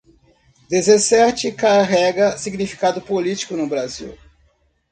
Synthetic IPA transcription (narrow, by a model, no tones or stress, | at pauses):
d̪ezesɛɾt͡ʃɪkaɦɛɡɐsiɡnifi̥kad̪ʊpolit͡ʃi̥kʊnʊbɾaziw